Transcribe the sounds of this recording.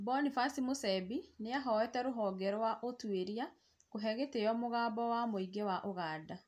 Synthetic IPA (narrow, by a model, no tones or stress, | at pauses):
bɔnifasimosɛbineaɦɔwɛtɛɾoɦɔːɡɛɾɔwaʔotweɾia | koɦɛɣeteɔmoɣaːbɔwamoiɡewaʔoɣaːda